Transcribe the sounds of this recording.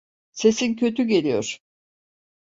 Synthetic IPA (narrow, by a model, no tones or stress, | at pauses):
se̞sincʰø̞t̪ʰyɟe̞lʲijo̰ɾ̥